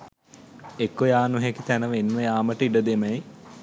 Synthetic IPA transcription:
ekːojaːnuɦekit̪ænəʋenːuʋəjaːməʈəiɖəd̪eməj

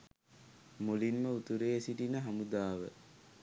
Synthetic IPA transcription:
molinməut̪uɾeːesiʈinəɦamud̪aːʋə̰

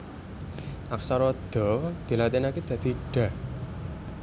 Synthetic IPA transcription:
ʔaksaɾɔd̪̥ɔ̤d̪̥i̤lat̪inaked̪̥ä̤d̪̥i̤ɖ̥a̤

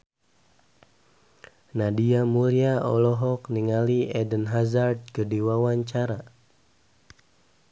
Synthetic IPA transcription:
nadiamuɾiaɔlɔɦɔkniŋaliɛdənɦazard̪̚kədiwawaɲt͡ʃaɾa

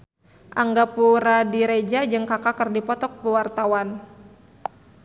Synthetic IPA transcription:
ʔaŋɡapuɾadiɾed͡ʒad͡ʒɨŋkakakərdipɔt̪ɔk̚pəwart̪awan

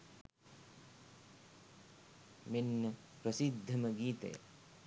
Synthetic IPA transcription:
minːɐ | pɾɐsid̪ʱːɐmɐɡiːt̪ɐ̰jɐ̰

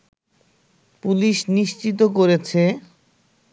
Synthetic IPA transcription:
puliʃniʃt͡ɕit̪okoɾet͡ɕʰe

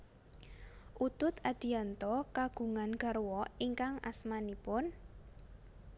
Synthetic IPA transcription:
ʔut̪ʊt̪ad̪̥i̤ant̪ɔkaɡ̥ṳŋanɡ̥a̤ɾwɔiŋkaŋʔa̰smanipʊn

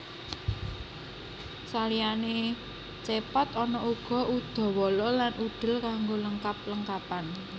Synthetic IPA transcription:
salijane | t͡ʃepɔt̪ɔnɔuɡ̥ɔ̤ʔud̪̥ɔ̤wɔlɔlanʔud̪̥ə̤lkaŋɡoləŋkap̚ləŋkapan

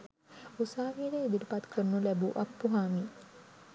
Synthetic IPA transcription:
usaːʋiːɾeid̪ilipat̪kʰəɾnulæbuʔak̚puɦaːmi

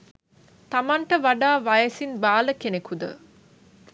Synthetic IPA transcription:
t̪amaɳʈəʋaɖaːʋajəsinbaːləkenekud̪ə̰

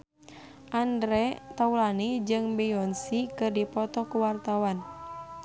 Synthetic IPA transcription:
ʔandɾɛt̪aulanid͡ʒɨŋbɛɔnsikɨrdipɔt̪ɔkuwart̪awan

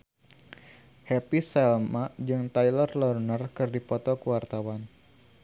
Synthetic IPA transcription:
hɛpisɛlmad͡ʒɨŋt̪ajlərlɔrnərkɨrdipɔt̪ɔkuwart̪awan

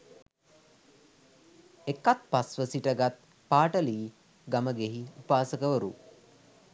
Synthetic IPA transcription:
ekat̪̚pasʋəsiʈəɡat̪̚ | paːʈəliː | ɡaməɡeɦiupaːsəkəʋəɾu

